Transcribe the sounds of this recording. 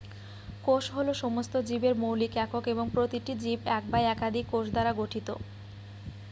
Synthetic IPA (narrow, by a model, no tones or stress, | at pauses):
koʃɦoloʃɔmost̪od͡ʑibeɾmowlikɛkokeboŋpɾot̪iʈid͡ʑibɛk̚bajɛkad̪ʱikːoʃd̪aɾaɡoʈʰit̪o̰